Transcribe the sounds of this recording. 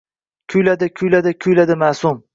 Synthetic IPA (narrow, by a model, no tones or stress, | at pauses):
kʲʰʊjlad̪ɪkʰʊjlad̪ɪkʲʰʊjlad̪ɪmasʊm